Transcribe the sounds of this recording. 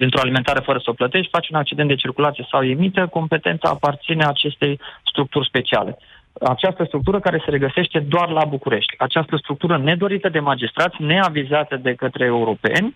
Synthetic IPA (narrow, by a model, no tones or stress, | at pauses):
d̪int̪ɾo̞alime̞nt̪aɾe̞fəɾəsəoplət̪e̞ʃʲfat͡ʃʲunak̚t͡ʃid̪ent̪d̪e̞t͡ʃirkulat̪sijesawemit̪əko̞mpe̞t̪e̞nt̪sa̰ːpart̪sineaːt͡ʃe̞st̪e̞jst̪ɾuk̚t̪urʲspe̞t͡ʃia̰le̞̰ | at͡ʃast̪əst̪ɾuk̚t̪uɾəkaɾe̞se̞ɾe̞ɡəse̞ʃt̪e̞d̪oarlabukuɾe̞ʃt̪ʲat͡ʃast̪əst̪ɾuk̚t̪uɾəne̞d̪o̞ɾit̪əd̪e̞mad͡ʒist̪ɾat̪sʲne̞avizat̪əd̪e̞kət̪ɾeːuɾo̞pe̞̰nʲ